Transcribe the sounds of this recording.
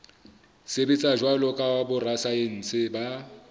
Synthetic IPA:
sebɪt͡sʼaʒwalɔkʼawabʊrasaen̩sɪba

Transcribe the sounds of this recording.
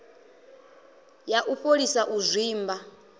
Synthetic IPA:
jaʔuɸolisaʔuzʷiːmba

